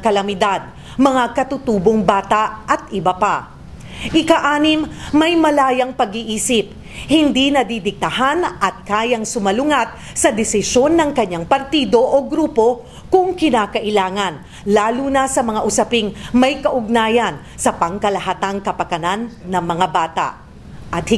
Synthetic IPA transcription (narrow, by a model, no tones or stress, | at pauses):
kɐlɐmɪd̪ad̪̚ | mɐŋakɐt̪ʊt̪uːboŋbaːt̪aʔɐt̪̚ʔɪbapa | ʔɪkɐʔaːnɪmːɐjmɐlaːjɐŋpɐɡiʔiːsɪp̚ | hɪnd̪inɐd̪id̪ɪɡ̚t̪ɐhanʔɐt̪̚kaːjɐŋsʊmɐlʊŋat̪̚ | sɐd̪ɛsɪʃo̞nːɐŋkɐɲaŋpɐɾt̪iːd̪o̞ʔoɡɾuːpo̞ | kʊŋkɪnaːkɐʔɪlaːŋɐn | laːlunɐsɐmɐŋaʔʊsɐpɪŋmɐjkɐʔʊɡ̚naːjɐn | sɐpɐŋkɐlɐɦat̪aŋkɐpɐkɐnanːɐŋmɐŋabaːt̪a̰ʔ | ʔɐt̪̚hɪ